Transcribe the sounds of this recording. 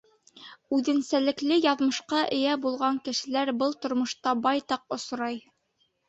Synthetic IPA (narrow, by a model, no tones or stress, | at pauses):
ʉðɘ̆nsælɘ̆klɘjɑðmɤ̆ʃqɑʔɘ̆jæbulˠʁɑŋkɘ̆ʃɘ̆læɾbɤlˠt̪ŏɾmŏʃt̪ɑbɑjt̪ɑq̚ŏsɾɑj